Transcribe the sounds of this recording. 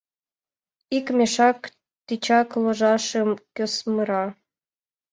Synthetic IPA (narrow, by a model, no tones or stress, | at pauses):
ikmʲeʃɑk | t̪it͡ɕɑkloʒɑʃəmkʲøsməɾɑ